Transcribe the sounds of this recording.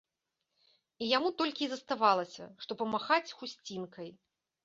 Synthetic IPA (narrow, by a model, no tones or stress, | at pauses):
ijamut̪ɔlʲkʲizɐst̪avalˠɐsʲɐ̰ʂt̪ɔpɐmaxat͡sʲxusʲt͡sʲinkɐj